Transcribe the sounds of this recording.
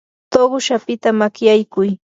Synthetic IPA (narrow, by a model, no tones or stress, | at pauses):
t̪oɢʊʃapɪt̪amakjajkʊj